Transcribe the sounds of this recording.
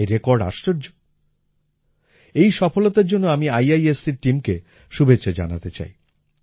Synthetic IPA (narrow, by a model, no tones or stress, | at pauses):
eɾekoɾɖa̰ʃʈoɾd͡ʑo | ejʃɔfolot̪aɾd͡ʑonːoamiajajesːiɾʈimke | ʃubʱet͡ɕːɕad͡ʑa̰na̰t̪et͡ɕa̰j